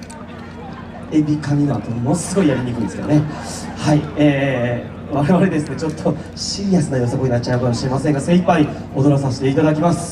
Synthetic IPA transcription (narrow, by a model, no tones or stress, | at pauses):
ebʲikamʲinoat̪omonosɨɡo̞ijaɾʲiɲʲikɯ̟̃nsked̪onehaieː | βaɾe̞βaɾe̞d̪e̞sɨne̞t͡ɕo̞t̪ʰːo̞ | ɕijasɨnajo̞ːsakoinat͡ɕːaɯ̟kamoɕiɾe̞masẽŋɡasẽ̞ipːai | o̞d̪o̞ɾos̬ãɕi̥t̪eit̪ad̪ak̬ʲimasɨ̥